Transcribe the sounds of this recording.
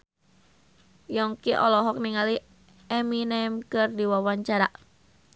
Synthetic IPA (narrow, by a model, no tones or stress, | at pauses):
jɔŋkiʔɔ̰lɔɦɔk̚niŋali | ɛminɛmkɨrdiwawaɲt͡ʃaɾaʔ